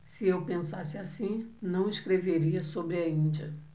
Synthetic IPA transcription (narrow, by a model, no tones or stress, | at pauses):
sɪewpẽsasɪasĩnɐ̃w̃ɪskɾeveɾiɐsobɾɪɐĩd͡ʒɐ